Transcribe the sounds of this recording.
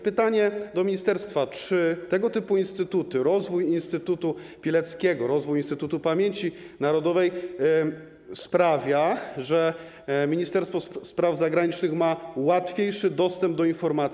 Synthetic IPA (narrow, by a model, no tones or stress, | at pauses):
pɘt̪aɲɛd̪ɔmʲiɲist̪ɛɾst̪fat͡ʂɘt̪ɛɡɔt̪ɘpuinst̪ɘt̪ut̪ɘɾɔzvujinst̪ɘt̪ut̪u | pʲilɛt̪skʲɛɡɔɾɔzvujinst̪ɘt̪ut̪upamʲjeɲt͡ɕinaɾɔd̪ɔvɛj | spɾavʲjaʐɛ | mʲiɲist̪ɛɾst̪fɔspɾavzaɡɾaɲit͡ʂnɘxmawat̪fʲjejʂɘd̪ɔst̪ɛmb̚d̪ɔinfɔɾmat̪sʲ